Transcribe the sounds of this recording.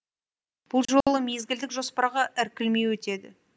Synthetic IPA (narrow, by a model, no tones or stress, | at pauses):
b̥ʊlˠʒo̞lˠəme̞zɡʲɪld̪ɪkʒo̞spɑɾɑʁɑʔɪɾkʲɪlmejwɵt̪e̞d̪ɪ̰